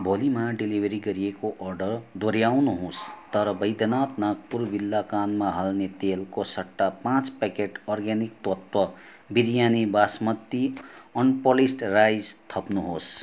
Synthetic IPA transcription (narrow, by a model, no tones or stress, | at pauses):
bʱolimaɖilibʱʌɾiɡʌɾiekoʔʌrɖʌrd̪ʱoɾjawnuɦost̪ʌɾʌbʌjd̪ʌnat̪nak̚purbilːakanmaɦʌlnet̪elkosʌʈːapãt͡spekeʈʌrɡanik̚t̪wʌt̪wʌ | biɾjanibasmʌt̪ːiʌnpolisʈrajd͡zt̪ʰʌpnuɦos